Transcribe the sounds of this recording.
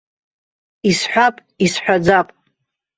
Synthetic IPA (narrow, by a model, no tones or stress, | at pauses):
isħʷᶣapʼ | isħᶣʷad͡zapʼ